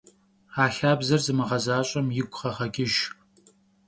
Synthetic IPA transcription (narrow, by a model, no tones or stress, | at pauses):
aːɬaːbzɐrzɨmɨʁɐzaːɕʼɐmjɪɡʷʼχɐʁɐɡʲʼɪʒ